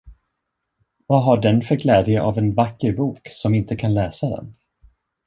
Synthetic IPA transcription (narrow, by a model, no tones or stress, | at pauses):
vaɦaɖɛnfœɾɡlɛːd̪jəʔavɛnvakːəɾbuːksɔmɪnt̪əkʰanlɛːsad̪ɛ̰n